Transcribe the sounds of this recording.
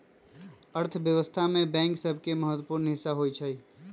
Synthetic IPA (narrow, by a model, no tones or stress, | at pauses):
əɾt̪ʰʋjəʋəst̪ʰamẽbɛ̃ːŋksəbʱkeməɦət̪wəpuːɾnɦɪsːaɦoːit͡ʃʰəi